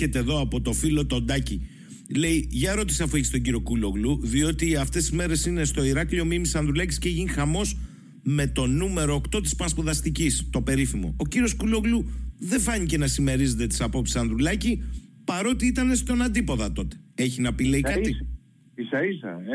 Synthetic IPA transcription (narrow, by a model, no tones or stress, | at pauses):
et̪eːðo̞ɐpo̞t̪o̞filo̞t̪o̞nd̪ɐci | le̞iʝɐeɾo̞t̪i̥seɐfueçist̪o̞ɲɟiɾio̞kulo̞ɣluðio̞t̪iɐft̪e̞sizme̞ɾe̞sine̞st̪o̞iɾɐkʎo̞mimisɐnðɾulɐcisceʝinixɐmo̞s | me̞t̪o̞nume̞ɾoːkt̪o̞t̪ispɐspoðɐst̪icist̪o̞pe̞ɾifimo̞̰ociɾio̞skuloɣluðe̞fɐɲice̞nɐsime̞ɾize̞t̪e̞t̪i̥sɐpo̞psi̥sɐnðɾulɐcipɐɾo̞t̪iit̪ɐne̞st̪o̞nɐnd̪ipo̞ðɐt̪o̞t̪e̞̥e̞çinɐpile̞ikɐt̪i | isɐisɐ̰